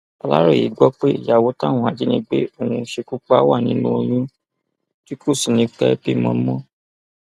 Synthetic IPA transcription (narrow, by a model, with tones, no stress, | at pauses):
a˧la̰˦ɾo˦˨jḭ˨ɡ͡bɔ˦k͡pe˦˨ja˨wo˨˦ta˦˨w̃ɔ̃˧a˨d͡ʒi˦nĩ˦ɡ͡be˦o˧ũ˧˦ʃe˧ku˦k͡pa˦wa˦˨nĩ˨˦nũ˦o˧jũ˦ | ti˦ko˦˨si˨nĩ˧˦kɛ˦pe˦mɔ̃˧˦mɔ̃˦